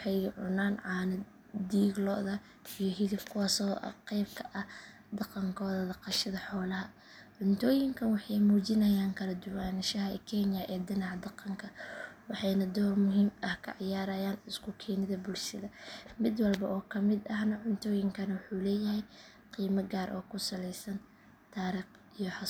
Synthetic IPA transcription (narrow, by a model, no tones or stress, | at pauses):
wħɑjʕʊ̰naːnʕɑːnɐ | d̪iːɡlɔ̰ʔðɐ | ijɔɦɪðɪbkʰʊwaːsɔːʔɐ̰qɛjb̚kʰɐʔɐ | d̪ɑqɑŋkʰɔːðɐd̪ɐqɑʃɐðɐħɔːlɐɦɐ | ʕʊnt̪ʰɔːjɪŋkʰɐnwɑħɑjmuːt͡ʃɪnɐjaːŋkʰɐlɐd̪ʊwaːnʃɐɦɐɛ̰kʰɛnjɐʔɛːd̪ɪnɑʕd̪ɑqɑŋkʰɐwɑħɑjnɐd̪ɔrmʊɦiːmɐhkʰɐ̰ʕjaːɾɐjaːnɪskʰʊkʰɛːnɪðɐbʊlʃɐðɐmɪd̪wɑlbɐʔɔːkʰɐmɪd̪ɐɦnɐʕʊnt̪ʰɔːjɪŋkʰɐnɐwʊħuːlɛːjɐɦɛj | qiːmɐɡaːɾʔɔːkʰʊsɐlɛjsɐn | t̪ʰaːɾiːq | ijɔħɑ